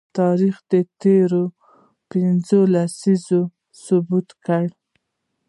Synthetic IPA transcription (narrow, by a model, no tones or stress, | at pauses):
t̪ɑɾixd̪ət̪eɾo | pɪnzolasizo | subut̪kaɽ